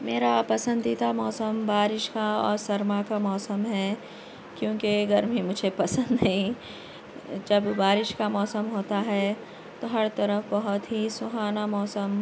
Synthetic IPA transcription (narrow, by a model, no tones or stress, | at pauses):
meːɾapɐsə̃nd̪it̪amɔːsəmbaːɾɪʃkaɔ̰ːɾsɐɾmakamɔːsəmɦɛ | kjõːkeɡɐɾmimʊd͡ʒʱepɐsə̃nd̪ɦɛĩ | d͡ʒɐbbaːɾɪʃkamɔːsəmɦoːt̪aɦɛ | t̪oɦɐɾt̪ɐɾəfbɐɦʊt̪ɦisʊɦaːnamɔːsəm